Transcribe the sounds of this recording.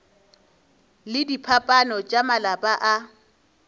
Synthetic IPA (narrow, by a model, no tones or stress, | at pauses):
lɪdipʰapʼanɔt͡ʃʼamalapʼaʔa